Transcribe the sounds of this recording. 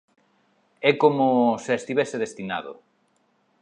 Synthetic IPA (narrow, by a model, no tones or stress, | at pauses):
ɛkomoseest̪iβɛseðest̪ina̰ðʊ̰